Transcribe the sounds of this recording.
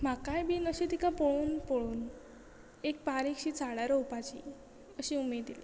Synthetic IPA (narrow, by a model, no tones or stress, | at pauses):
m̤akajbiːnəɕit̪ikʰapoɭuːnpoɭuːn | ek̚paɾikɕit͡saɽaɾɔwpat͡ɕḭ | əɕiumed̪ile